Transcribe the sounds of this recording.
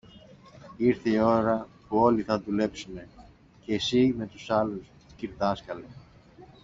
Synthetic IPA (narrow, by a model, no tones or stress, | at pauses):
iɾθeio̞ɾɐpuo̞liθɐðule̞psune̞ | ceːsime̞t̪usɐlus | ciɾðɐskɐle